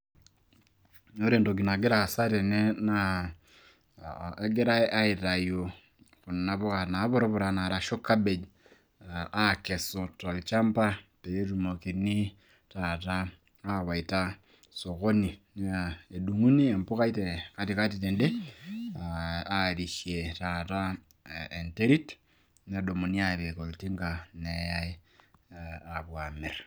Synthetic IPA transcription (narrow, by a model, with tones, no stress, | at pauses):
o˦ɾe˨ndo˨ɡi˨na˨ɡɪ˦ɾa˦˨sa˦ɾɛ˨nɛ˦na˦ | a˦ɡɪ˦ɾa˦ʔa˦ɪ˨ta˨jo˨ | kʊ˨n˨na˨bʊ˦ka˨na˨˦βɔ˦ɾɔ˦bʊ˨ɾa˦na˨ɾa˨ʃo˦ka˦be˨d͡ʒ | a˦˨kɛ˨so˨ta˨lt͡ʃa˦mpa˦te˨je˦tu˨mo˨ki˨ni˦ | ta˨ta˦ | a˦wa˨ita˦ | so˨ɣo˦ni˨n˦ae˨du˨ŋu˦ni˦e˨mpo˦ɣa˦ite˨ka˦tika˦tite˨nde˦ | a˦ɾi˨ʃje˨tata˦ | e˨nte˦ɾi˦t | n˦˨do˨mo˨ni˦a˨βe˨ko˨lti˦ŋɡane˨ja˦i | a˨βwa˨me˨ɾ